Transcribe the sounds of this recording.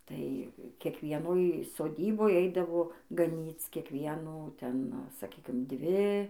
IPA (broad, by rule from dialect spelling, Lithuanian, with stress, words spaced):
ˈtɐɪ kʲiɛkʋʲiɛˈnoːj soːˈdʲiːboːj ˈɛɪdɐʋoː ɡɐˈnʲiːt͡s kʲiɛkˈʋʲiɛnuː ˈtʲɛn sɐˈkʲiːkʲɪm ˈdʲʋʲɪ